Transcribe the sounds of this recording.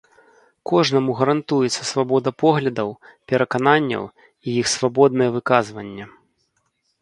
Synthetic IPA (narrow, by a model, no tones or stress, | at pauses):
kɔʐnɐmuɣɐɾant̪ujɛt̪sːɐsvabɔd̪ɐpɔɣlʲɐd̪ɐwpʲɛɾɐkananʲːɐ̰w | ijixsvabɔd̪nɐjɛvɨkazvɐnʲːɛ